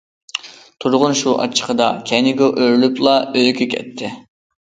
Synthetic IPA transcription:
t̪ʰuɾʁʊnʃuʔɑ̰t͡ʃʰːə̥qəd̪ɑkʲʰɛnɪɡʲɛʔøɾlyplˠɑølkʲʰykʲʰɛ̰t̪ʰːɪ

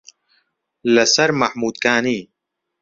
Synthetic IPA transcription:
lɐsɐɾmɐħmuːd̪̚kaːniː

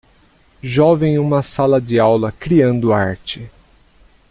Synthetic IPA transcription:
ʒɔvẽj̃ũmɐsalɐd͡ʒɪawlɐkɾiɐ̃nd̪ʊaɾt͡ʃɪ

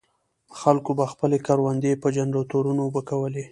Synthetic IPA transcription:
əxalkobaxpəlekaɾwand̪epəd͡ʒanɾot̪oɾunobəkawəle

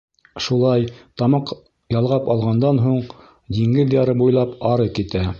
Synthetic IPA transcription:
ʃulˠɑjt̪ɑmɑq | jɑlˠʁɑpɑlˠʁɑnd̪ɑnɦuɴ | d̪iŋɡɘðjɑɾɤbujlˠɑpɑɾɤkit̪æ

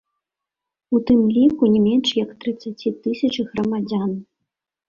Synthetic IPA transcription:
ut̪ɨmlʲikunʲɛmʲɛnʂjɐkt̪ɾɨt̪sːat͡sʲit̪ɨsʲɐt͡ʂɨɣɾɐmad͡zʲan

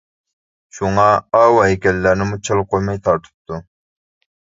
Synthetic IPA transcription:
ʃuŋɑɑwɦɛkʲɛlːæɾnɪmut͡ʃʰɑlˠqʰojmɑjt̪ʰɑɾt̪ʰɨ̥p̚t̪ʰu

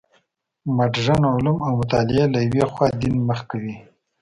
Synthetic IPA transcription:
maʈʐanʕʊlumawmʊt̪ɑlɪelajwexwɑd̪inməxkawi

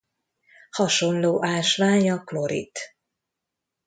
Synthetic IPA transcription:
hɒʃo̞nloːʔaːʃʋaːɲɒklo̞ɾḭt̪

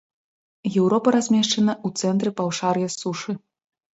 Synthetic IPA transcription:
jɛwɾɔpɐɾazʲmʲɛʂt͡ʂɐnɐut̪sɛnt̪ɾɨpawʂarjɐsuʂɨ

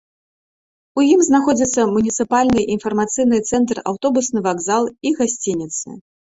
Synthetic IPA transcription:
ujimznaxɔd͡zʲit̪sːɐmunʲit̪sɨpalʲnɨʔinfɐrmat̪sɨjnɨt̪sɛnt̪ra̰wt̪ɔbusnɨvaɡzalˠiɣasʲt͡sʲinʲit̪sɨ̰

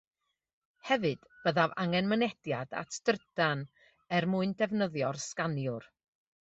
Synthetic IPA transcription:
hɛvɨd̥b̥əðavaŋɛnmənɛd̥jada̰tʰd̥rd̥an | ɛrmuɨndɛvnəðjɔrskanjʊr

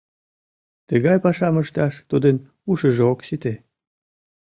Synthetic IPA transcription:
t̪əɣɑjpɑʃɑməʃt̪ɑʃt̪ud̪ən | uʃəʒeoksit̪e

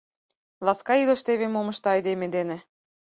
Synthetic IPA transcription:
lɑskɑilə̆ʃt̪eβemomə̆ʃt̪ɤɑjd̪emed̪enĕ

